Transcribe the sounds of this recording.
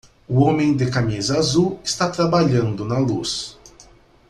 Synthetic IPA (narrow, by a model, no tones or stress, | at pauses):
uɔmẽd̪ɪkamizɐaːzuɪst̪at̪ɾabaʎãnd̪ʊnalus